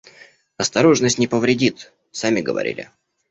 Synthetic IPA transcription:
ɐst̪ɐɾo̞ʐnəsʲtʲnʲɪpəvɾʲɪdʲit̪ | samʲɪɡə̰vɐ̰ɾʲḭlʲɪ̰

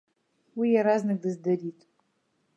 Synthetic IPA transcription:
wijaɾaznɨk̚dɨzdɐɾiːtʼ

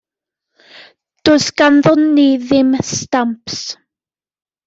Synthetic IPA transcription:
d̥ʊsɡ̥anðɔnːiðɪmstampʰs

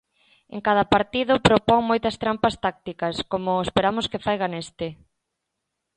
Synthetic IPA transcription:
ḛŋkað̞ɐpaɾt̪iðʊpɾopɔŋmojt̪ɐst̪ɾampɐst̪ak̚t̪ikɐskomʊespeɾamʊskɪfajɣanest̪ɪ

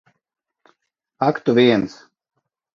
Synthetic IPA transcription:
akt̪uvʲiɛns

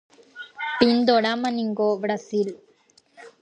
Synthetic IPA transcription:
pind̪oɽamɐniŋɡobɾasil

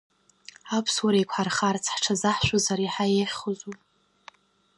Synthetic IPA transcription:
apʰswaɾajkʷʰħarχart͡sʰħʈ͡ʂʰazaħʃʷᶣazaɾiħajeχʲχozu

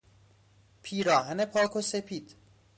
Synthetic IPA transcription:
pʰiːɾɒːɦænepʰɒːkʰosepʰiːd̪̥

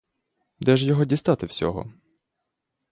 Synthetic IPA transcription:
d̪ɛʒjɔɦɔdʲist̪ɑt̪ɪwsʲɔ̰ɦɔ̰

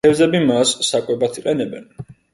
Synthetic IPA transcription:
ɛvzɛbimasːakʼwɛbat̪ʰiqʼɛnɛbɛn

